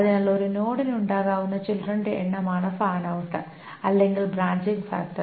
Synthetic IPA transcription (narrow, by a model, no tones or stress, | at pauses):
ɐðɨnɐlːɐoɾuno̞ːɽinuɳɖaːɣaːʋunːɐt͡ɕilrɐɳɖɨḛɳːɐmaːɳɐfaːɳɐʋuʈːɐ | ɐlːeŋɡilbɾaːɲd͡ʑiŋɡfa̰ːk̚ʈːɐ